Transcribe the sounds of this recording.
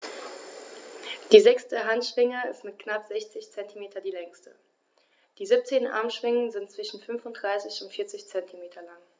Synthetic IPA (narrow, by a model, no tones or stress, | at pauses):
d̥iːzɛkstəɦantʃv̥ɪŋəɪstmɪtknapz̥ɛçt͡sɪçt͡sɛntʰimeːtʰɐdiːlɛŋstə | d̥iːzip̚t͡seːnʔa̰ɐmʃv̥ɪŋənzɪntt͡sv̥ɪʃn̩fʏnfʊntd̥ʁaɪsɪçʊntfiːɐt͡sɪçt͡sɛntʰimeːtʰɐlaŋ